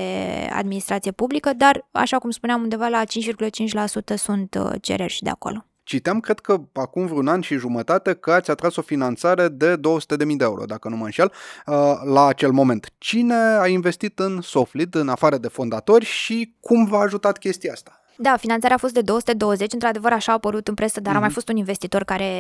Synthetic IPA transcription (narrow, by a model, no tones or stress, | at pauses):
ea̰d̪minist̪ɾat̪sije̞publikəd̪ara̰ʃakumspuneamund̪e̞valat͡ʃint͡ʃvirɡulət͡ʃint͡ʃʲlasut̪əsunt̪t͡ʃḛɾe̞rʲʃid̪ea̰ko̰lo̞ | t͡ʃit̪iamkɾe̞d̪̥̚kəakumvɾʲunanʃiʒumət̪at̪e̞kəat̪sʲat̪ɾaso̞finant̪saɾe̞d̪e̞d̪o̞wəsu̥t̪e̞d̪e̞mijd̪eeṵɾo̞̰d̪akənumənʃialəlaːt͡ʃe̞lmo̞mẽ̞nt̪t͡ʃine̞ainve̞st̪it̪ɨnso̞flit̪ɨnafaɾəd̪e̞fo̞nd̪at̪o̞rʲʃikʰumvaːʒut̪at̪kʲe̞st̪iaast̪ḁ | d̪afinant̪saɾeafo̞st̪d̪e̞d̪o̞oəsu̥t̪ed̪o̞wəze̞t͡ʃʲɨnt̪ɾad̪e̞vəɾaʃaːpəɾut̪ɨnpɾe̞səd̪aɾamajfo̞st̪uninve̞st̪it̪o̞rkaɾe̞